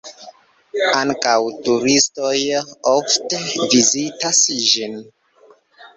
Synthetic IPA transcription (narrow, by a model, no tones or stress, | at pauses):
aŋkawtuɾistojoftevizitasʒin